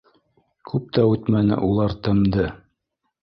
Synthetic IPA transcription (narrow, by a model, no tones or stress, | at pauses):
kʰʉp̚t̪ʰæʉt̪mænɘ̰ʔulˠɑɾt̪ɤ̆md̪ɤ